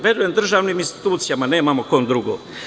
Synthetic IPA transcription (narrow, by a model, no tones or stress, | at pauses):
ʋed̪ujemd̪r̩ʒaːʋniːminst̪i̥t̪uːt̪sijamane̞ːmamo̞ko̞nd̪ɾuɡoː